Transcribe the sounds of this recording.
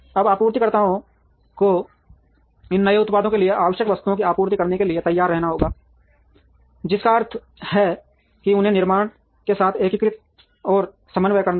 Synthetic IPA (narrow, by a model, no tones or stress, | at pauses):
ɐbaːpuːɾt̪ikɐɾt̪aːɦõ | ko | ɪnːɐeʊt̪paːd̪õkelieʔaːʋəʃjəkʋɐst̪uõkiaːpuːɾt̪ikɐɾnekelɪiet̪ɐjːaːɾːɛɦnaɦoːɡaː | d͡ʒɪskaɐɾt̪ʰ | hɛ | kiʊnɦẽnɪɾmaːɳ̃ | kesaːt̪ʰeːkɪkɾɪt̪̚ | ɔːɾ | sɐmənʋəjkəɾn